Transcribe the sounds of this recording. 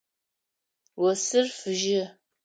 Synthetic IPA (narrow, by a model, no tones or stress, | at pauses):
wɐsɨrfɨʒɪ